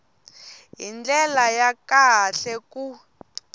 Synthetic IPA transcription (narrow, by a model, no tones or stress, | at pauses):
ɦind͡ɮɛlajakaɬɛku